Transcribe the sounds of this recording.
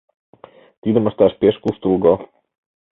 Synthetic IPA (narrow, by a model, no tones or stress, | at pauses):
t̪id̪ə̆məʃt̪æʃpeʃkust̪ulˠɡo